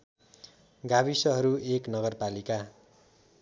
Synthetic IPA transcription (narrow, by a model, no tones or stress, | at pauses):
ɡaβisʌɦʌɾueknʌɡʌrpalika